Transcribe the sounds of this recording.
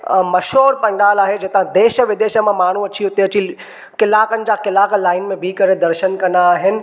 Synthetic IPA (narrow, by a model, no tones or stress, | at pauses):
mɐʃɦoːɾpɐ̃ɳɖaːlaːɦed͡ʑet̪ãd̪eːʃəʋɪd̪eːʃəmãmaːɳ̤ũɐt͡ɕiʊt̪eɐt͡ɕi | kɪlaːkənɪ̆d͡ʑakɪlaːklaːɪnmẽbʱikɐɾed̪ɐɾʃənkɐ̃nd̪aːɦɪnɪ̆